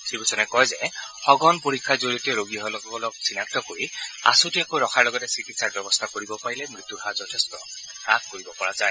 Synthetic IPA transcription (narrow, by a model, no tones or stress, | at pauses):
sibusʰɔnɛkɔjzɛxɔɡɔnpoɹikʰːazoɹiɔtɛɹoɡiɔɦɔlɔkɔlɔk̚sinak̚tɔkoɹia̰sotiakoɹɔkʰaɹlɔɡɔtɛsitisaɹ̚bɛbɔst̪ʰakoɹibɔpaɹilɛmɹit̪ːuɦazɔtʰestɔ | ɹak̚kːoɹibɔpɔɹazaj